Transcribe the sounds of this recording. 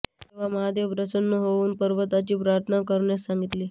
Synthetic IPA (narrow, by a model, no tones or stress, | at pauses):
t̪eʋaməɦad̪eʋbɾəsənːuɦouːnpəɾʋət̪at͡ɕiːpɾaɾt̪ʰənakəɾɳasaŋɡit̪liː